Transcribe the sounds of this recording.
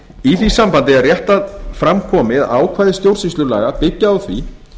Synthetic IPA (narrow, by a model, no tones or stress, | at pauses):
iθvisampant̪ɪarjɛht̪aðfɾamkʰɔːmɪða̰ːwkʰvaːjðɪst̪jowɾ̥sislʏla̰ːɣapɪcːaawθvḭ